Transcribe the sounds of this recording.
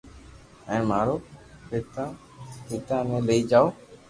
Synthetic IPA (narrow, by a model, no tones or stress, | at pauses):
ɛ̃ːmaːɾoːkɪt̪a | hɪːt̪aːmẽːləiːd͡ʒaːoː